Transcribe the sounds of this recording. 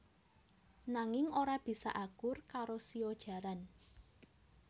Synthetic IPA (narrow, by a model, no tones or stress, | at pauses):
naŋɪŋoɾab̥i̤sa̰ʔaɡ̥ʊrkaɾosiod̥ʒ̥ä̤ɾan